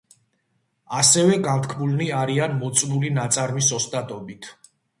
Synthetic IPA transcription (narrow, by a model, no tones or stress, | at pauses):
asɛvɛɡant̪kʰmulniaɾianmɔt̪sʼnulinat̪sʼaɾmisɔst̪ʼat̪ʼɔbit̪ʰ